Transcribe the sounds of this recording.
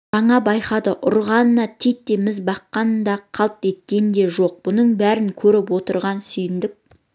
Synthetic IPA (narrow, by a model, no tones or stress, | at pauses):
ʒɑɴɑbɑjqɑd̪əʔʊ̰ɾʁɑnənɑt̪ʰet̪ːe̞mɪzbɑqːɑnənd̪ɑqʰɑlˠp̪e̞t̪̚kʲe̞nnd̪e̞ʒo̞q̚b̥ʊnəɴbæɾɪŋkʲʰɵɾɪpwo̞t̪əɾʁɑnsʏjɪnd̪ɪk̚